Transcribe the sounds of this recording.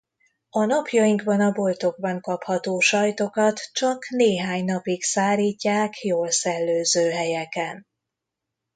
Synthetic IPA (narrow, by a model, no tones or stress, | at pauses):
ɒnɒpjɒjiŋɡbɒnɒbo̞lt̪o̞ɡ̚bɒŋkɒphɒt̪oːʃɒjt̪o̞kɒt̪t͡ʃɒkneːɦaːɲnɒpiksaːliːcːaːkjoːlsɛlːøːzøːɦɛjɛkɛn